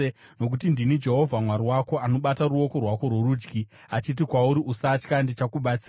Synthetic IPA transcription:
no̞k̬utindinid͡ʒe̞ɦo̞vʱamwaɾiwako̞ano̞ɓataɾuo̞ko̞rwako̞rweɾuːd͡ʒɡi | at͡ʃit̬ikwauɾiʔusat͡ʃkandit͡ʃakuɓat͡sia

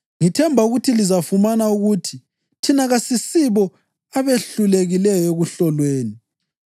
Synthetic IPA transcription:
ŋitʰɛmbʱauɣutʰilizafumanauɣutʰi | tʰinaɣasisiβɔ | aβeɬuleɣilɛjɔeɣuɬɔlweːni

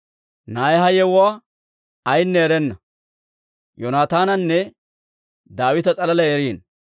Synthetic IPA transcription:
naːjɛɦɐjɛwwaː | ɐjnːɛːɾɛnːɐ | jɔnaːt̪aːnɐnːɛ | d̪aːwɪt̪ɐt͡sʼɐlɐlɐjɛɾiːn

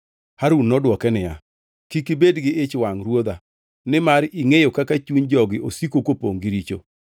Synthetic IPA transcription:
haɾunːɔdwɔkɛnɪja | kikibedɡɪɪt͡ʃwaŋɾwod̪a | nɪmaɾiŋejokakat͡ʃuɲd͡ʒɔɡɪʔosikokopoŋɡiɾit͡ʃo̰

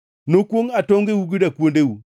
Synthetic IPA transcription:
nokwoŋatoŋɡewuɡidakuondewu

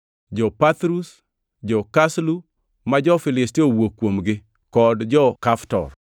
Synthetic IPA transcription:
d͡ʒɔpat̪ɾus | d͡ʒɔkaslu | mad͡ʒɔfɪlɪstiowokːwomɡɪ | kɔdd͡ʒɔkaftɔ̰r

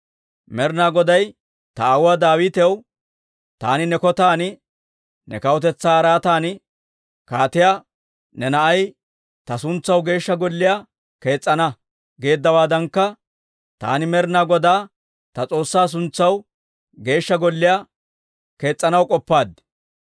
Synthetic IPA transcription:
mɛɾnaːɡɔd̪ɐj | t̪ɐːwʊwaːd̪aːwɪːt̪ɛw | t̪a̰ːnɪnɛkɔt̪aːnɪ | nɛ̰kɐwɔt̪ɛt͡sːaːɐɾaːt̪aːnɪ | kaːt̪ɪja | nɛnɐʔɐj | t̪ɐsʊnt͡sːɐwɡe̞ːʃːɐɡɔlːɪjaː | ke̞ːt͡sʼːɐnɐ | ɡe̞ːd̪ːɐwaːd̪ɐŋkːɐ | t̪a̰ːnɪmɛɾnaːɡɔd̪aː | t̪ɐt͡sʼo̞ːsːaːs̬ʊnt͡sːɐw | ɡe̞ːʃːɐɡɔlːɪjaː | ke̞ːt͡sʼːɐnɐwkʼɔpːaːd̪

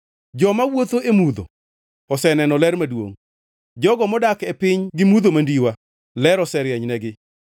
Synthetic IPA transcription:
d͡ʒɔmawot̪oʔemud̪o̰ | ɔsɛnɛnɔlɛrmadwo̰ŋ | d͡ʒɔɡɔmɔdakepɪɲɡɪmud̪omandiwa | lɛɾɔsɛɾjɛɲnɛɡɪ

